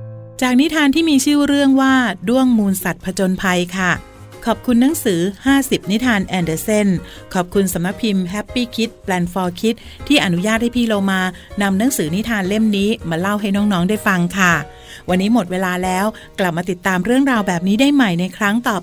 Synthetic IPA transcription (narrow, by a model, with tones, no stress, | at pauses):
t͡ɕaː˨˩k̚ni˦˥t̪ʰaː˧nt̪ʰiː˥˩miː˧t͡ɕʰɯː˥˩ɾɯ˥˩əŋwaː˥˩du˥˩əŋmuː˧nsa˨˩t̪̚pʰa˧t͡ɕo˧npʰa˧jkʰa˥˩ | kʰɔː˨˩p̚kʰu˧nːa˦˥ŋsɯː˩˦haː˥˩si˨˩p̚ni˦˥t̪ʰaː˧nʔɛː˧ndəː˧se˥˩n | kʰɔː˨˩p̚kʰu˧nsa˩˦mna˦˥k̚pʰi˧mɦɛ˦˥pːiː˥˩kʰi˦˥t̪̚plɛː˧nfɔː˧kʰi˦˥t̪̚ʰːiː˥˩ʔa˧nu˦˥jaː˥˩t̪̚ha˥˩jpʰiː˧loː˧maː˧ | na˧mna˦˥ŋsɯː˩˦ni˦˥t̪ʰaː˧nle˥˩mniː˦˥maː˧la˥˩wɦa˥˩jnɔː˦˥ŋnɔː˦˥ŋdaː˥˩jfa˧ŋkʰa˥˩ | wa˧nːiː˦˥mo˨˩t̪̚weː˧laː˧lɛː˦˥w | kla˨˩p̚maː˧t̪i˨˩t̪ːaː˧mɾɯ˥˩əŋɾaː˧wbɛː˨˩p̚niː˦˥daː˥˩jma˨˩jna˧jkʰɾa˦˥ŋt̪ɔː˨˩p̚